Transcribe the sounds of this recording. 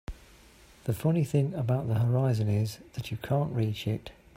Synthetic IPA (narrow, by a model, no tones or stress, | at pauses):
ðəfʌniθɪ̃ŋəbaʊʔðəɦəɹaɪzə̃nɪzðət͡ʃəkʰɑ̃ˑnʔɹiˑt͡ʃɪt